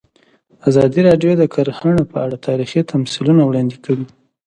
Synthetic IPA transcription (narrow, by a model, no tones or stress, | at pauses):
azɑd̪iɾɑɖjod̪əkʰaɾhaɳapəaɽat̪ʰɑɾixit̪ʰamsilunawɽɑnd̪ikawi